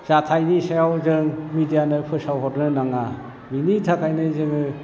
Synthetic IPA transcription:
z̥atʰajnisajawzɯŋmidijanɯpʰɯsawɦɔɾnɯnaŋa | binitʰakʰajnɯzɯŋɯ

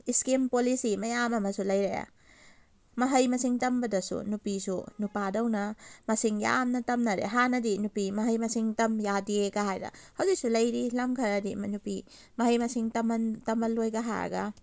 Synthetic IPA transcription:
iskimpolisimɐjamɐmɐsulɐjɾea̰ | mɐɦɐjmɐsiŋtɐmbɐdɐsṵnupisunupadɐwnɐmɐsiŋja̰mnɐtɐmnɐɾḛɦanɐdinupimɐɦɐjmɐsiŋtɐmjadieɡaɦajdɐ̰hɐwzik̚sulɐjɾilɐmkʰɐɾɐdimɐnupi | mɐɦɐjmɐsiŋtɐmtɐmɐlojɡɐɦa̰ɾɐ̰ɡɐ̰

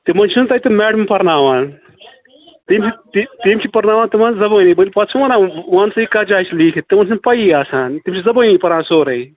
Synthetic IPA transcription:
t̪imɐnt͡ʃʰunt̪ɐit̪imeːɖɐmpɐɾnaːʋãːn | t̪imt͡ʃʰit̪it̪imʲt͡ʃʰipɐɾnaːʋaːnt̪imãːnzɐbɐːniːbɐlʲpɐsʰuwɐnaːʋaːnsɐikad͡ʒaːt͡ʃʰliːkʰit̪imɐnt͡ʃʰunpɐjiaːsaːnt̪imt͡ʃʰizɐbəːniːpɐɾãːsoːɾɐi

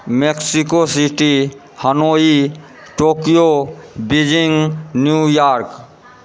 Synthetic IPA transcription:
meksikosiʈi | hənoi | ʈokijobid͡ʒiŋnjujaɾk

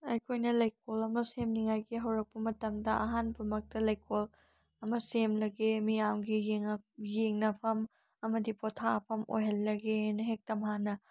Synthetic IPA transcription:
ɐjkʰojnɐlɐjk̚ʰolɐmɐsemniŋajɡiɦɐwɾɐk̚pɐmɐtɐmdɐʔɐɦanpɐmɐk̚tɐlɐjkʰol | ɐmɐsemlɐɡemijamɡijeŋjeŋnɐpʰɐm | ɐmɐdipotʰapʰɐmo̰jɦɐlːɐɡenɐɦek̚tɐmɦanɐ

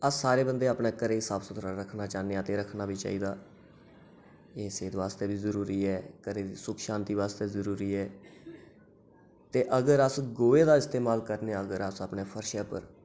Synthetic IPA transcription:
əsːaːɾeːbənd̪eːaːpneːkəɾeːsaːbsʊt̪ʰːɾaɾəkʰnaːt͡ʃaːneaːt̪eːɾəkʰnaːbʱiːt͡ʃa̰ːiːd̪aː | eːseːd̪ʋaːst̪eːbiːzəɾuːɾiːɛːkəɾeːisʊkʰʃãːnt̪iːʋaːst̪eːzəɾuːɾiːɛː | t̪eːʔəɡəɾəsɡoːeːd̪aːɪst̪eːmaːlkəɾneːəɡəɾəsaːpneːpʰəɾʃeːpə̰ɾ

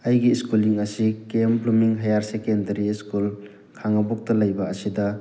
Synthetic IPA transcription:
ɐjɡiskuliŋɐsikemplumiŋɦɐjaɾsekendɐɾiskul | kʰaŋɐbɔk̚tɐlɐjbɐɐsidɐ

